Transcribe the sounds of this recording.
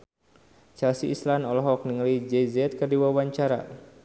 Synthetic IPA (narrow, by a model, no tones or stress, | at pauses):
t͡ʃalsiʔːslanɔlɔɦɔk̚niŋlid͡ʒɛzɛt̪̚kərdiwawaɲt͡ʃaɾa̰